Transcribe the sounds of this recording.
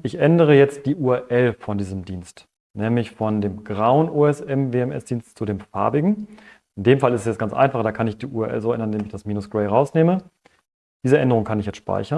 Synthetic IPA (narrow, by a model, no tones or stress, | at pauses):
ʔɪçʔɛndəʁ̞əjɛt͡st̚d̥iːʔuːɐʔɛlfɔndiːzəmdiːnst | nɛːmlɪçfɔndeːmɡʁaʊənʔuːɛsɛmveːɛmʔɛ̰sd̥iːnstt͡sudeːmfa̰ɐbɪɡŋ̩ | ʔɪndeːmfalɪstɛsjɛt͡stɡ̥ant͡sʔa̰ɪnfaχd̥aːkʰanɪçd̥iːʔuːɛʔɛ̰lzoːɛndɐnɪndeːmɪçd̥asmiːnʊsɡ̥ʁɛɪʁaʊsneːmə | d̥iːzəʔɛndəʁʊŋkʰanɪçjɛt͡stʃpa̰ɪçɐ